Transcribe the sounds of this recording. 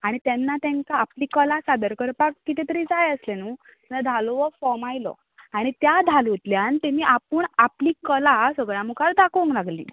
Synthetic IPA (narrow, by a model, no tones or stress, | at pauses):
aɽ̃it̪ɛnːat̪ɛ̃ŋkaːpliːkəlasabəɾkəɾpakːit̪et̪əɾiːd͡zajəslenuː | t̪ɛnad̪ʱalɔʋəfɔmajlɔ̰ | aɽ̃it̪jad̪ʱalut̪ljant̪emiːʔapəɳapliːkəlasəɡɭjãmukʰaɾd̪akʰõŋklaɡlḭː